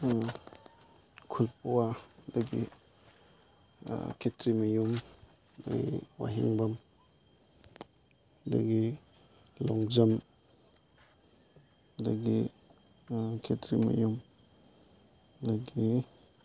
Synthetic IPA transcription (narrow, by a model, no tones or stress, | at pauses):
kʰulp̚uadaɡḭ | kʰetɾimɐjum | da̰ɡḭwa̰ɦiŋbam | da̰ɡi | lɔŋzam | daɡi | kʰetɾima̰jum | daɡi